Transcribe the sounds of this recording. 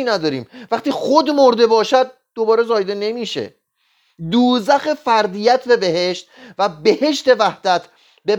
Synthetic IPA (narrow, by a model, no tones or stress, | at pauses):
iːnæd̪ɒːɾiːmvæχt̪iːχod̪moɾd̪e̞bɒːʃæd̪̚ | d̪o̞bɒːɾezɒːjd̪e̞ne̞miːʃe̞̰ | d̪uːzæxe̞fæɾd̪ijæt̪ʰbe̞be̞he̞ʃt̪væbe̞he̞ʃt̪e̞væhd̪æt̪ʰ | be